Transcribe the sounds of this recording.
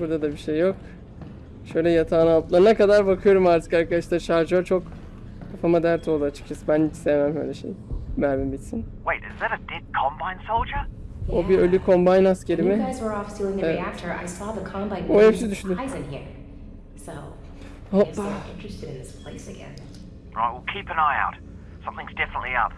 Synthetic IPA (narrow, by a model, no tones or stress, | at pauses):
buɾd̪ad̪abiʃejːok | ʃø̞jlʲɛjat̪ʰaːnaaplˠaɾɯnakad̪aɾbakʰɯjo̞ɾumaɾt̪ʰɯ̥kaɾkʰad̪aʃt̪aʃaɾd͡ʒat͡ʃʰo̞k | kʰafamad̪æɾt̪ʰo̞ːlˠaat͡ʃʰɯ̥kt͡ʃʰasɯbænit͡ʃsejmæmʃøjlʲɛʃḛjbæɾmimbit̪sinweɪtɪzðəɾəd̥ɪd̚kʰɑ̃mbãɪ̃nsolˠd͡ʒəobiølʲykʰõ̞mbajnasceɾimɪaɪzwə˞ɔfsulˠɪ̃ŋðɨeiæk̚tʰə˞ʔa̰ɪsɔðəkʰɑ̃mbãɪ̃nohepsid̪yʃnyzɨ̃nɦḭɹ | soʊ | hoɪ̃nt͡ʃɹ̥ɨstɨɾɨ̃nðɪspʰl̥eɪsɨɡɛ̰̃n | ɹa̰ɪt̚wilˠkʰipɨ̃naɪa̰ʊt̚ | sʌ̃mθɪ̃ŋzdɛfənətˡliʌ̰p